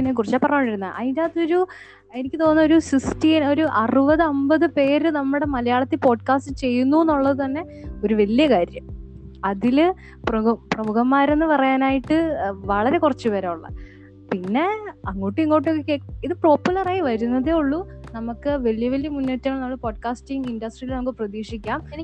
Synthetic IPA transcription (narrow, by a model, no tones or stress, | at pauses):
pinːekurit͡ɕːaːpːɐrɐjaːɳɖiɾunːɐ̰ʔɐjdaːt̪ːo̞ɾu | e̞nikʲːɨt̪o̞ːnːo̞ɾusistieno̞ɾuʔɐrubɐðɨɐmbɐðɨpe̞ːɾɨnɐmːɨɽe̞mɐlɐjaːɭɐt̪ːipo̞ːɖ̚kaːstɨt͡ɕe̞jːunːuenːuɭːɐðɨt̪ɐnːe̞ | o̞ɾuʋelːijɐkaːɾjɐm | ɐðil | prɐprɐmuɣɐmːaːɾe̞nːɨpɐrɐjaːnaːjiʈːɨʋɐɭɐɾe̞kurɐt͡ɕːupeɾeuɭːɐ̰ | pinːe̞ɐŋːo̞ːʈːɨiŋːo̞ːʈ̬ːokːekːeiðɨpro̞ːpːulɐraːjiʋɐɾunːɐðeuɭːunɐmukːɨʋe̞ɭjɐʋelːjɐmunːoːtːɐŋːɐɭnɐmːɐɭpo̞ːɖkaːsʈiŋɡindɐsʈrijilnɐmkːɨprɐðiːʂikʲːaːm